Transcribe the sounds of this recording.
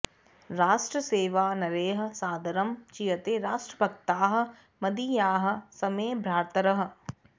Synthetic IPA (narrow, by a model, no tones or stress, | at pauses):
ɾaːʃʈɾɐseːʋaːnɐɾeːɦɐ̆saːd̪ɐɾɐmt͡ʃijɐt̪eːɾaːʃʈɾɐbʱɐk̚t̪aːɦɐ̆ | mɐd̪ijaːɦɐ̆sɐmeːbʱɾaːɾt̪ɐɾɐɦɐ̆